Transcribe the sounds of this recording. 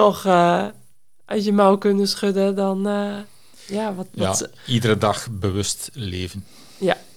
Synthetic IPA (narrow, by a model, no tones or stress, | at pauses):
ɔxə | ʔœsjəmawkønəsχødədɔn | jaʋɔtʋɔ | idəɾədɑxbəʋøstleːvən | ja